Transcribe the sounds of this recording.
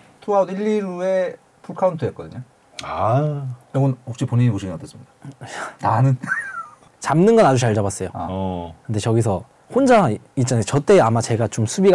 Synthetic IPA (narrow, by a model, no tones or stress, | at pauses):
tʰoauniʎːiɾue̞ | pʰuɭkʰauntʰɯet̚k͈ʌd̪ɯɲo | a | jʌɡʌnhok̚ɕ͈ipoɲiɲipoɕʰinkatʰes͈ɯmɲid̥ananɯn | t͡ɕamnɯnɡʌnad͡ʑut͡ɕaɭd͡ʑaβbas͈ʌjokɯnde̞t͡ɕʌɡis̬ʰʌ | hond͡ʑaait͡ɕ͈anat͡ɕʌt͈e̞amat͡ɕe̞ɡat͡ɕomsʰubiɡ